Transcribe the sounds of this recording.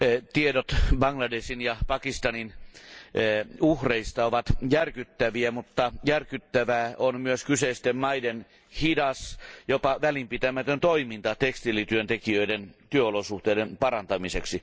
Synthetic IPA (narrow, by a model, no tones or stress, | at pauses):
t̪iedot̪bɑŋlɑdesinjɑpɑkist̪ɑnin | uhreist̪ɑoʋɑt̪jærkyt̪ːæʋiæmut̪ːɑjærkyt̪ːæʋæːʔonmyøskyseist̪emmɑiden | hidɑsjopɑʋælimpit̪æmæt̪ønt̪oimint̪ɑt̪ekst̪ilit̪yønt̪ekiøident̪yøolosuht̪eidenpɑrɑnt̪ɑmiseksi